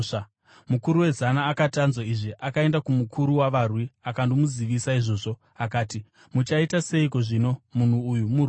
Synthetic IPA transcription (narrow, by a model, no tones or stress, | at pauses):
mukuɾuwe̞zanaːkatanzwaiʐiʔakae̞ndakumukʰuɾuwaʋarwiakandomuziʋisaiʐo̞ːʐo̞ | akaːti | mut͡ʃaitase̞iko̞ʐino̞mun̤uːjumu